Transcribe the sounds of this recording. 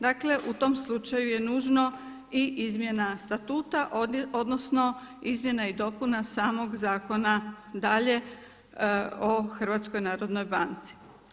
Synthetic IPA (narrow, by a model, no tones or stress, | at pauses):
d̪akle̞ʔut̪o̞mslˠut͡ʃajuje̞nuːʒno̞ | iʔizmje̞nast̪at̪uːt̪aʔod̪nosno̞ | izmʲje̞naid̪o̞punasaːmo̞ɡzaːko̞na | d̪aʎe̞ | oxr̩ʋaːt̪sko̞jnaːɾo̞d̪no̞jbant̪si̥